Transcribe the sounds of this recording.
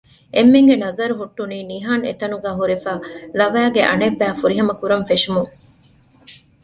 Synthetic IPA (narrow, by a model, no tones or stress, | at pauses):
ʔemːeŋɡenɐzɐɾuɦuʈːuniːniɦaːnḛt̪ɐnuɡæːɦuɾefaːlɐʋæːɡeʔɐ̰nebːæːfuɾiɦɐmɐkuɾɐnfeʂumuŋ